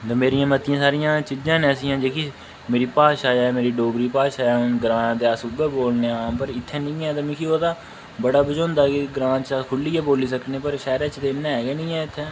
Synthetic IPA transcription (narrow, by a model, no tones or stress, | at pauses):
d̪ːmeːɾijãːmət̪ɪjãːsaːɾɪjãːt͡ʃiːd͡ʒãːnɛːsijãːd͡ʒeːkiː | meːɾiːpaːʃaːɛːmeːɾiːɖoːɡɾiːpaːʃaːɛːʊnɡɾãːnãd̪eːaːsʊbeːboːlneːaːpəɾɪt̪ʰːɛːnĩːɛːt̪amɪ̃ːkʰioːd̪aː | bəɽaːbəd͡ʒoːnd̪aːkiɡɾãːt͡ʃakʰʊlːiːɛːboːliːsəkneːpəɾʃɛːɾeːt͡ʃt̪enːɛ̃ːɛːɡɛːnĩːɛːɪt̪ʰːɛː